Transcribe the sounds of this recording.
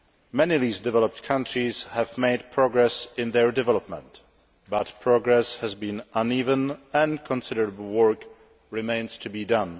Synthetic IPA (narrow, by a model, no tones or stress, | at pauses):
mɛniðizdɛvɛləp̚tkʰʌ̃ntɹizhɛvmeɪdpʰɹɔɡɹɛsɪ̃nðɛɹdɛvɛlɔp̚mɛ̰̃nt | batpʰɹɔɡɹɛshɛzbĩnʔãnivə̃nɛ̃nkʰɔ̃nsɪɾəɹəbl̩ˠwɜ˞k | ɹɪmẽɪ̃nstʰubidʌ̃n